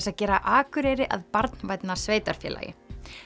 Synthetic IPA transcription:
saðcɛːɾaʔaːkʏɾejɾɪʔaðpaɾt̪nvaːjt̪nasveːjt̪aɾ̥fjɛ̰ːlʔa̰jɪ̰

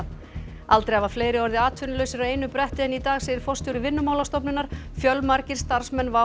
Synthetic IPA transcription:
alt̪ɾejavafleːjɾɪɔɾðɪaːt̪ʰʏːnɪlœːɥsɪɾaeːjnʏpɾɛht̪ɪðɛnit̪aːɣseːjɪɾ̥fɔst̪jɔwɾɪvɪnːʏmawlast̪ɔwpnʏnaɾ̥fjœlmaɾcɪɾ̥st̪aɾ̥smɛnːva

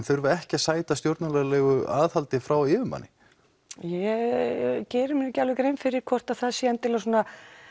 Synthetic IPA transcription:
nθœʏɾvʏɛhcɪasaːjt̪ast̪jowɾt̪nalɛɣlɛːɣʏaːðhalt̪ɪfɾawɪːvʏmpa̰nːɪ | jɛ | cɛːɾʏmɪnɛcalvɪkɾeːjmfɪɾɪɾ̥kʰvɔr̥t̪aðθaðsjɛant̪ʰɪlasɔːna

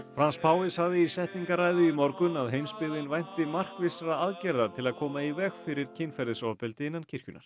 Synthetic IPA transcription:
fɾanspʰaːwɪshaɣðɪisɛht̪niŋkaɾaːjðʏimɔɾkʏnaðɦejmspɪðɪnvajn̥t̪ɪmar̥kvɪsɾaaðcɛɾðat̪ʰɪlaðkʰɔːmaivɛxfɪɾɪɾ̥cʰɪnfɛɾðɪsɔːpɪlt̪ɪɪnːancʰɪr̥cʏna̰ɾ̥

